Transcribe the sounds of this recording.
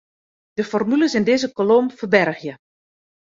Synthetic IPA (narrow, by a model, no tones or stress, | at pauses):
d̥əfɔrmyləsɪndeːzəkolomfərbɛrɣjə